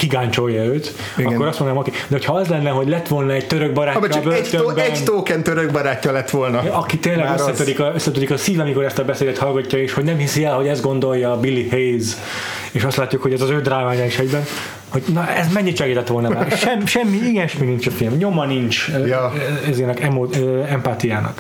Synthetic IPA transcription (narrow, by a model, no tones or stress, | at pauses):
kiɡaːɲt͡ʃo̞jːɒøːt̪ | ɒkkːoɾɒst̪mond̪naːokeːd̪ɛɦocʰhɒɒzlɛnːɛɦo̞ɟlɛt̪ʋo̞lnɒɛɟ̚t̪øɾøɡ̚bɒɾaːɛvøɛt̪øbɛt̪oːkɛnt̪øɾøɡ̚bɒɾaːcːɒlɛt̪ʋolnɒɒkit̪eːnlɛɡøsːɛt̪ød̪ikɒøsːɛt̪øɾikɒsiːvɒmiko̞ɾɛst̪ɒbɛseːd̪ɛt̪hɒlɡɒcːɒeːʃho̞ɟnɛmhisiɛlɦo̞ɟɛzɡo̞nd̪o̞jːɒːbilːihejz | eːʃɒst̪laːt̪ːukho̞ɟɛzɒzøːd̪raːvaːɲaiʃɛɟbɛn | ho̞ɟnɒɛzmɛɲːit͡ʃɛɡiːt̪ɛt̪ʋo̞lnɒmːeʃɛmːʃɛmːiiɡɛɛʃminint͡ʃɛfilmɲo̞mɒnint͡ʃjɛzeːnɛkɛmːoɛmpaːt̪ijaːnɒ̰k